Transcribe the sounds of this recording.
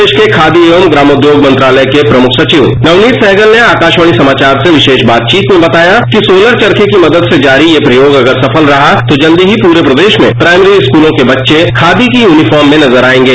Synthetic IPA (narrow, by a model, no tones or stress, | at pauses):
eːʃkekʰaːd̪ieomɡɾaːmod̪joːɡmɐ̃nt̪ɾaːləjkepɾɐmʊkʰsɐt͡ʃiʋnɐʋniːt̪sɛːɡəlneaːkaːʃəɽ̃isɐmaːt͡ʃaːɾseʋɪʃeːʃbaːt̪̚t͡ʃiːt̪mẽbɐt̪aːjakisoːləɾt͡ʃɐɾkʰekimɐd̪əd̪sed͡ʒaːɾijepɾɐjoːɡɐɡəɾsɐfʰəlɾɐɦat̪od͡ʒɐ̃nd̪iɦipuːɾepɾɐd̪eːʃmḛ̃pɾaːɪmɾiɪskuːlõkebɐtːʃekʰaːd̪ikijuːnifɔːɾmːẽnɐzəɾaːẽːŋɡeː